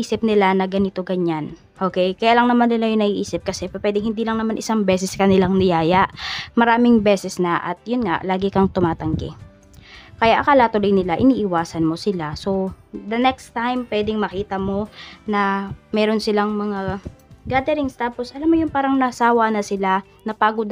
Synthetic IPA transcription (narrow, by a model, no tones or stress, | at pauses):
ʔiːsɪp̚nɪlanɐɡɐnɪt̪o̞ɡɐɲan | ʔo̞ːkɛjkɐjaːlɐŋnɐmanːɪlajʊŋnɐɡiːʔiːsɪp̚kɐsɛpɐpwɛːd̪ɪŋhɪnd̪iːlɐŋnɐmanʔɪsaŋbɛːsɛskɐnɪlaŋnɪjaːjɐʔmɐɾaːmɪŋbɛːsɛsnɐʔɐ̰t̪̚jʊnŋa̰ʔlaːɡɪkɐŋt̪ʊmaːt̪ɐŋɡɛ̰ | kɐjaʔɐkaːlɐt̪ʊlojnɪlaʔɪniːʔɪwaːsɐnmo̞sɪlaso̞d̪ɐnɛkst̪ajmpwɛːd̪ɪŋmɐkiːt̪ɐmo̞nɐmɛːɾo̞nsɪlaŋmɐŋaɡaːd̪ɛɾɪŋst̪aːpo̞sʔɐlamːojʊŋpaːɾɐŋnɐʔɐsaːwɐnɐsɪla | nɐpaːɡʊd̪